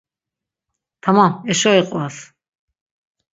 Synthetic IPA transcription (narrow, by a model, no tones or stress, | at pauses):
t̪ʰamãɛʃɔiqʼas